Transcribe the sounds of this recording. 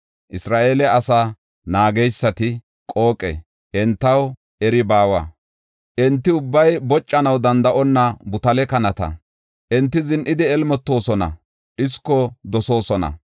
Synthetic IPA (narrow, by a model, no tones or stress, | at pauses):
ʔɪsɾaːʔeːlɛɐsaː | naːɡɛjsːɐt̪ɪ | kʼo̞ːkʼɛ̰ | ʔɛnt̪ːɐw | ɛɾɪbaːwɐ̰ | ʔɛnt̪ːɪʊbːɐjbɔt͡ʃʼːɐnɐwd̪ɐnd̪ɐʔɔnːɐbʊt̪ɐlɛkɐnɐt̪ɐ̰ | ʔɛnt̪ːɪzɪnʔɪd̪ɪɛlmɔt̪ːo̞ːsɔnɐ̰ | ʔɪskːɔd̪ɔso̞ːsɔnɐ̰